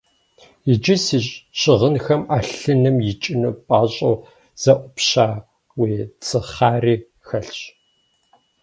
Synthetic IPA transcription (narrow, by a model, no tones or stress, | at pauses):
jɪd͡ʒɪsiːɕʼɕʼɪʁənxɐmaːɬɨnɨmjɪt͡ʃʼɪnuːpʼaːɕʼo | z̥ɐʔʷʊpɕaː | weːt͡sʰɨχaːriː | xɐɬɕ